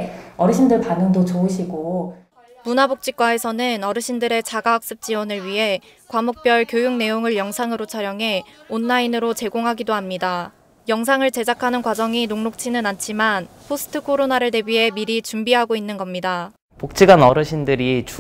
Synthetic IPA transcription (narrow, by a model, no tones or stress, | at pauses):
ʌɾɯɕʰindɯɭpanɯŋdot͡ɕoɯɕʰiɡo | munabok̚t͡ɕ͈ik͈wae̞sʰʌnɯnʌɾɯɕʰindɯɾe̞t͡ɕaɡaːk̚s͈ɯp̚t͡ɕ͈iwʌnɯɭɥiɦe̞ | kwamok̚p͈jʌɭkjojuŋne̞joŋɯɭjʌŋsʰaŋɯɾot͡ɕʰaɾjʌŋɦe̞onːainɯɾot͡ɕe̞ɡoŋɦaɡidoɦamɲida | jʌŋs̬ʰaŋɯɭt͡ɕe̞d͡ʑakʰanɯnkwad͡ʑʌŋinoŋnok̚t͡ɕʰinɯnant͡ɕʰimanpʰosʰɯ̥tʰɯkʰoɾonaɾɯɭte̞biɦe̞miɾit͡ɕumbiɦaɡoinːɯnɡʌmɲida | pok̚t͡ɕ͈iɡanʌɾɯɕʰindɯɾit͡ɕ